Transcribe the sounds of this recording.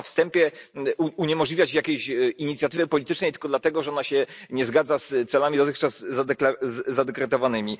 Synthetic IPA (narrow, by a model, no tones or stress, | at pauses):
fst̪ɛmpʲjɛuuɲɛmɔʐlʲivʲjat͡ɕjakʲejɕiɲit̪sʲjat̪ɘvɘpɔlʲit̪ɘ̥t͡ʂnɛjt̪ɘ̥l̥kɔd̪lat̪ɛɡɔʐɛɔnaɕɛɲɛzɡad̪zast̪sɛlamʲid̪ɔt̪ɘxt͡ʂazːakaːad̪ɛkɾɛt̪ɔvanɘmʲi